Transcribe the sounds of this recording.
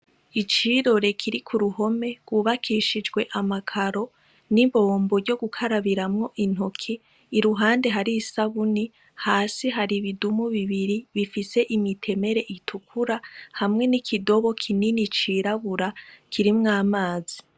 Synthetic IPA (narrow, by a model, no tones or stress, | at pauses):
it͡ʃiɾo̞ɾe̞kʰiɾikʰuɾuɦo̞me̞ɡ̥wuβakʰiːʃid͡ʒɡwe̞ʔamakʰaɾo̞ | niβo̞ːmbo̞vjɟo̞ɡukʰaɾaβiɾamŋo̞ʔin̥okʰiː | ɾuɦaːnde̞ɦaɾiːsaβuni | haːsiɦaɾiβidumuβiβiɾiβifise̞ʔimitʰe̞me̞ɾe̞ʔitʰukʰuɾahamŋe̞nikʰido̞βo̞kʰininit͡ʃiːɾaβuɾakʰiɾimŋaːmaːzi